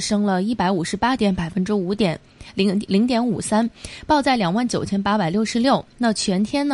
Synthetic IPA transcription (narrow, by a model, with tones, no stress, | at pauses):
ʂɤ˥ŋlə˨i˥˩pa˧˥ɪu˨˩ʂɻ̩˧˥pa˥t̪jɛ˧˥npa˨˩ɪfə˥nʈ͡ʂɻ̩˥u˧˥t̪jɛ˨˩˦n | lli˧˥ŋt̪jɛ˧˥nṵ˨˩sa˥npɑ˥˧ʊt͡sa˥˩ɪljɑ˨˩ŋwa˥˩nt͡ɕjo˨˩ʊt͡ɕʰjɛ˥npa˥pa˨˩ɪljo˥˩ʊʂɻ̩˧˥ljo˥˩ʊna˥˩t͡ɕʰɥɛ˧˥nt̪ʰjɛ˥n˨